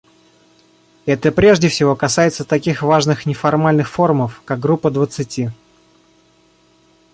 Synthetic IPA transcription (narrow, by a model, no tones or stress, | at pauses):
ɛt̪əpɾʲe̞ʐdʲɪfsʲɪvo̞kɐsajɪt̪sət̪ɐkʲixvaʐnɨxnʲɪfɐrmalʲnɨxfo̞rməfkak̚ɡɾupːəd̪vət̪sɨtʲi